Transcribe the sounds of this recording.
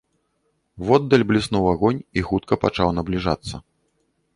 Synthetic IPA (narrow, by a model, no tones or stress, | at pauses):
vɔd̪ːɐlʲblʲisnuwaɣɔnʲixut̪kɐpat͡ʂawnɐblʲiʐa̰t̪sːɐ